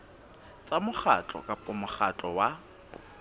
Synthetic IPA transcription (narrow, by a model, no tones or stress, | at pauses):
t͡sʼamʊχat͡ɬʼɔ̰kʼapʼʊmʊχat͡ɬʼɔwa